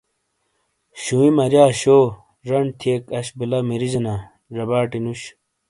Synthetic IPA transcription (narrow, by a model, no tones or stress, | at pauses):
ɕuwimɐɾjaːɕo | ɾɐɳt̪ʰiekɐɕbilɐmiɾid͡ʑɐna | ɾɐbaːʈinuɕ